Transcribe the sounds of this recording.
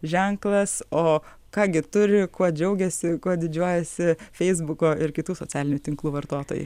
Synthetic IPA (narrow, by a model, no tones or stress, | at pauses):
ʒʲɛŋklˠɐsoː | kɑːɡʲɪt̪ʊɾʲɪkuɔd͡ʒʲɛʊɡʲɛsʲɪkuɔd̪ʲɪd͡ʒʲuɔjɛsʲɪfʲɛɪzbʊkoːɪɾkʲɪt̪uːsot͡sʲsʲæːlʲɪnʲʊːt̪ʲɪŋklˠuːʋɐɾt̪oːt̪oːjṵ